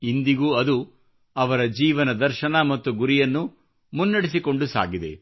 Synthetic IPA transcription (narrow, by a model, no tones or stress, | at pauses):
ind̪iɡuːɐd̪u | ɐʋɐɾɐd͡ʒiːʋɐnɐd̪ɐɾʃɐnɐmɐt̪ːuɡuɾijɐnːu | munːɐɽisiko̞ɳɖusa̰ːɡid̪e̞̰